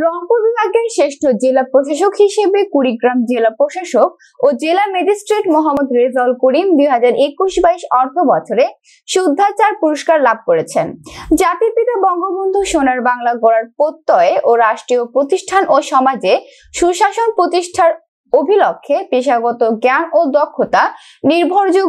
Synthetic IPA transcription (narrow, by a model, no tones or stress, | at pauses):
ɾɔŋpobibʱaɡeɾʃeʃʈʰod͡ʑelapɾoʃaʃ̬okɦiʃebekuɽiɡɾamd͡ʑelapɾoʃaʃok̚ | od͡ʑelamed͡ʑisʈɾeʈmɔɦamːod̪ɾezɔlkuɾimd̪uɦad͡ʑaɾʔekuʃbaiʃɔɾt̪ʰobɔt͡ɕʰoɾe | ʃud̪ʱːat͡ɕaɾpuɾoʃkaɾlab̚ʱkoɾet͡ɕʰend͡ʑat̪iɾpit̪abɔŋɡobond̪ʱuʃonaɾbaŋlaɡoɽaɾpot̪ːɔeeʔoɾaʃʈɾiopɾot̪iʃʈʰanoʃɔmad͡ʑe | ʃuʃaʃonpɾot̪iʃʈʰaɾ | obʱilokʰːepeʃaɡɔt̪oɡɛnod̪ɔkʰːot̪a | niɾbʱoɾd͡ʑu